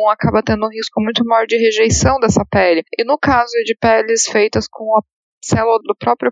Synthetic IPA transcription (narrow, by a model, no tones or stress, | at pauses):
akabɐt̪ẽnd̪ʊũɦiskʊmũj̃t̪ʊmajɔɾd͡ʒɪɦeʒejsɐ̃w̃d̪ɛsɐpɛlɪɪnʊkazʊd͡ʒɪpɛlɪsfejt̪ɐskʰõw̃ɐ | sɛlulɐd̪ʊpɾɔpɾjʊ